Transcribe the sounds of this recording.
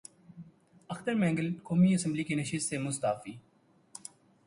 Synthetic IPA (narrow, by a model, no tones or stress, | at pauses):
əxt̪əɾmɛ̃ːŋɡəlkoːmiəsə̃mblikenəʃɪst̪semʊst̪aːfiː